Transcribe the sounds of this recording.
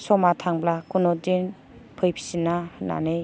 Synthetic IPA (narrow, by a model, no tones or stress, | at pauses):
sɔmatʰaŋblakʰunɔdin | pʰɯjpʰi̥sinːahɯnːa̰nɯj